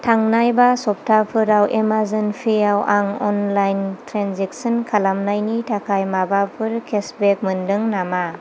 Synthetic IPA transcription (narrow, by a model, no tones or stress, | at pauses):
tʰaŋnajbasɔp̚tʰapʰɯɾawʔemazɯnpʰijawʔaŋɔnlajntʰɾanzek̚sɔnkʰalamnajnitʰakʰajmabapʰɯɾkʰesbek̚mɯndɯŋnama